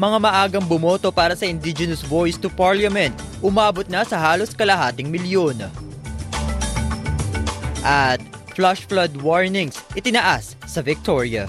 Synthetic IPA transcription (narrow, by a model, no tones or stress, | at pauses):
mɐŋamɐʔaːɡɐŋbʊmot̪o̞paːɾɐsɐʔɪnd̪ɪd͡ʒɛnɐsvojst̪ʊpaɹlɐmɛnt̪̚ʔʊmaːbo̞t̪̚nɐsɐhaːlo̞skɐlɐɦaːt̪ɪŋmɪljon | ʔɐt̪̚ | flaʃflɐd̪woɹnɪŋsʔɪt̪ɪnɐʔasːɐvɪk̚t̪oɹjɐ̰